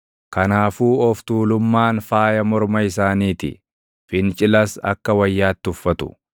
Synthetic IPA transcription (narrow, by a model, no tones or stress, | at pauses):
kɐnaːfuːɔft̪uːlʊmːaːnfaːjɐmɔɾmɐɪsaːniːt̪ɪ̰ | fɪnt͡ʃʼɪlɐsɐ̰kːɐwɐjːaːt̪ːɪʊfːɐt̪ʊ̥̰